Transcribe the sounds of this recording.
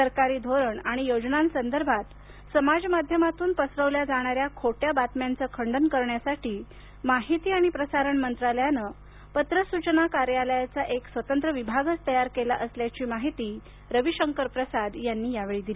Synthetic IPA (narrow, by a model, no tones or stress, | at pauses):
səɾkaɾiːd̪ʱoɾəɳaɽ̃ijod͡znansənd̪əɾbʱat̪ | səmad͡zmad̪ʱjəmat̪uːnpəsɾəʋljad͡zaɽ̃aɾjakʰoʈjabat̪mjant͡səkʰəɳɖənkəɾɳjasaʈiː | maɦit̪iːaɽ̃ipɾəsaɾəɳmənt̪ɾaljanə | pət̪ɾəsut͡ɕnakaɾjaləjat͡saʔeksʋət̪ənt̪ɾəʋibʱaɡəst̪əjaɾkelaʔəsljat͡ɕiːmaɦit̪iː | ɾəʋiɕəŋkəɾpɾəsad̪janːiːjaʋeɭiːd̪ili